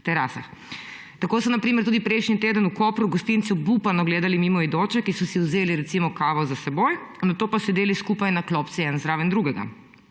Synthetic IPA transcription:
t̪ɛɾaːsa̰x | t̪akoːsɔnapɾiːmɛɾt̪uːd̪ipɾeːʃnit̪eːd̪ənukoːpɾuɡɔst̪int̪subupanɔɡleːd̪alimiːmɔid̪oːt͡ʃɛkisɔsiwzeːliɾɛt̪simɔkaːʋozasɛboj | nat̪oːpasɔid̪eːliskupajnakloːpt̪siɛnzɾaːʋɛnd̪ɾuːɡɛɡa̰

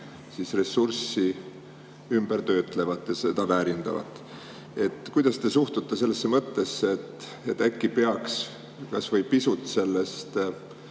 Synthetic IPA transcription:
sisre̞sːursi | ymb̥ert̪ø̞ːt̪ˑle̞vɑt̪ːˑjɑse̞d̪̥ɑvæːɾind̪̥ɑ̰vɑ̰t̪ːˑ | e̞t̪kujd̪̥ɑst̪e̞suht̪ut̪ˑːese̞lːesːemɤt̪ːe̞sːeet̪ː | et̪ːækːipe̞ɑks | kɑsvɤjpisut̪ˑːse̞lːe̞st̪

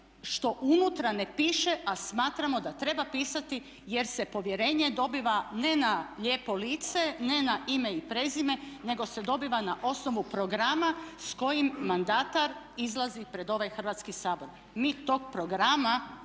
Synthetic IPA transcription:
ʃt̪o̞ʔunut̪ɾanepiːʃe̞ʔasmaːt̪ɾamo̞d̪at̪ɾe̞bapiːsat̪i | jeɾse̞po̞ʋjeɾe̞ːɲe̞d̪o̞biʋane̞naʎe̞ːpo̞liːt̪se̞ne̞naimeipɾe̞zime̞ne̞ɡo̞se̞d̪o̞biʋanaʔo̞sno̞ʋupɾoɡɾamasko̞jimːand̪at̪aɾ | izlˠazipɾe̞d̪o̞ʋajxr̩ʋat̪skisaːbo̞ɾ | miːt̪o̞ːɡ̚pɾo̞ɡɾama

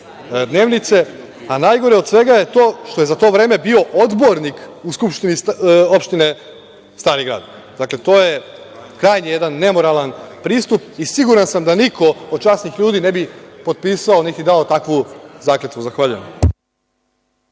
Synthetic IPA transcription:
d̪ne̞ːʋnit̪se̞ | anaːjɡo̞ɾeo̞d̪sʋe̞ɡaje̞t̪o̞ːʃt̪o̞jezat̪o̞ːʋɾe̞ːmebio̞ʔod̪bo̞ɾnikuskupʃt̪iniopʃt̪ine̞ | st̪aːɾiɡɾa̰ːd̪ | d̪akle̞t̪o̞ːje̞ | kɾaːjnije̞d̪anːe̞mo̞ɾalanpɾiːst̪up̚isiɡuɾansamd̪anikʰo̞od̪̥̚t͡ʃaːsnixʎuːd̪iːne̞bipo̞d̪̚piːsaonet̪id̪ao̞t̪akʋuzaːklet̪kuzaxʋaʎujḛm

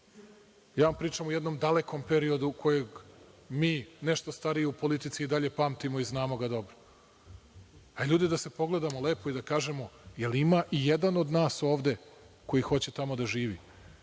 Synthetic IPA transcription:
jaːʋampɾiːt͡ʂamujed̪no̞md̪ale̞ko̞mpe̞ɾio̞d̪ukʰo̞jeɡ | miːneʃt̪ost̪aɾijeupo̞lit̪it̪siːd̪aʎe̞paːmt̪imo̞iznaːmo̞ɡad̪o̞bɾo | aʎuːd̪id̪ase̞po̞ɡle̞d̪amo̞le̞ːpoid̪akaːʒe̞mo̞jelimaʔijed̪ano̞d̪naːso̞ːʋd̪e̞ | ko̞jixo̞t͡ɕe̞t̪amo̞d̪aʒiːʋi

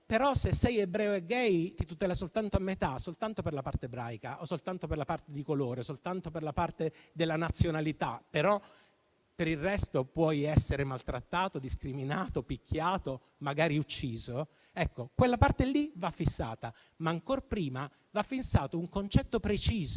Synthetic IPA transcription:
peɾɔsesːɛjebɾɛːoeɡːɛjt̪it̪ut̪ɛːlasolt̪ant̪oamːet̪asolt̪ant̪operlapart̪eebɾaːjkaʔosːolt̪ant̪operlapart̪ed̪ikoloːɾesolt̪ant̪operlapart̪ed̪elːanat̪sːjonalit̪apeɾɔ | peɾirrɛst̪opwɔjɛsːeɾemalt̪ɾat̪ːaːt̪od̪iskɾiminaːt̪opikʰʲːjaːt̪o | maɡaːɾiut͡ʃːiːzo | ɛkːokwelːapart̪elivafːisːa̰ːt̪a | maːŋkorpɾiːma | vafːinsaːt̪ouŋkont͡ʃɛt̪ːopɾet͡ʃiːzo

